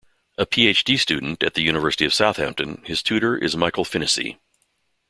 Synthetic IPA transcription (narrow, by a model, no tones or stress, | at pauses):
əpʰieɪt͡ʃd̥istʉdⁿn̩tɨt̪̚ðɨjʉñɨvɜ˞səɾiʌv̥saʊθhæ̰̃mp̚tɨ̃nɨz̥tʰʉɾə˞ʔɪ̰zmaɪkl̩ˠfɪ̃ñɨsḭ